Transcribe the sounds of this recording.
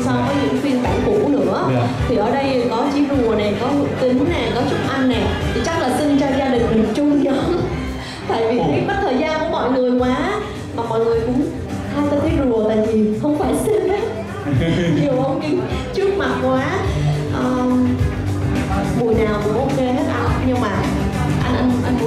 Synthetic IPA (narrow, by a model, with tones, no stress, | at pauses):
sa˨˧wvɔː˨˦jɲɨ̰˧˥ŋfwi˧ənɓa̰ː˧˩ŋkṵ˧˩nɨ̰˧˥ə | t̪ʰi˨˩ʔəː˧ɗə˧jkɔ˨˦t͡ɕi˨˦zu˨˩əna˨˩jkɔ˨˦˧t̪ï˨˦ŋna˨˩kɔ˨˦t͡ɕʊ˦˥t̚ʔa˧jŋːa˨˩ | t̪ʰi˨˩t͡ɕa˦˥k̚laː˨˩si˧nt͡ɕɔ˧zaː˧ɗï˨˩ŋ̟mï˨˩ŋt͡ɕʊ˧ŋ͡mɲə̰ː˧˥n | t̪a̰ː˧˨jvi˨˩˨kɔ˨˦˥t̪ʰəː˨˩jzaː˧nku˨˧˩əmɔ̰˧˨jŋɨ˨˩əjkwaː˨˦ | maː˨˩mɔ̰˧˨jŋɨ˨˩əjkʊ̰˧˥ŋ͡m | t̪ʰaː˧t̪aː˧t̪ʰi˨˦lu˨˩ət̪a̰ː˧˨jvi˨˩xə˧wŋ͡mfaː˧˩jsi˧na˨˦ | ɲi˨˩əwʔə˧wŋ͡mɲɨ̰˧˦ŋt͡ɕɨ˦˥ək̚ma˨˩t̚kwaː˨˦ | ʔəː˨˩ | vu˨˩jnaː˨˩wkʊ̰˧˩˥ŋ͡mʔo˧ŋ͡mke˧haː˦˥k̚ʔa˧ɲɨ˧ɓa̰ː˧˨ | ʔa˧jnʔa˧jnʔa˧n˧˨